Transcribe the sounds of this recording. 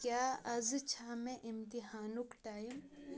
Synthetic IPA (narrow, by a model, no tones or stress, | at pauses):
kjaːɐzt͡ʃʰaːmẽʔɪmt̪iɦaːnukʈaːim